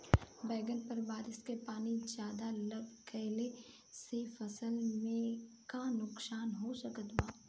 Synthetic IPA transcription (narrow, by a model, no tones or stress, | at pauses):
bɛːɡənpɐɾbaːɾɪskepaːnid͡ʒjaːd̪alɐb̚ʱkʰɛɦle | sefɐsəlmẽ | kanʊksaːnɦosɐkət̪ʋaː